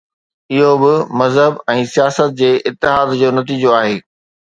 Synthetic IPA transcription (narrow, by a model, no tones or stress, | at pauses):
ɪɦobɪmɐzɦəbɛ̃ːsijaːsət̪̚d͡ʑeːʔɪt̪ːɪɦaːd̪d͡ʑoːnɐt̪iːd͡ʑoaːɦeː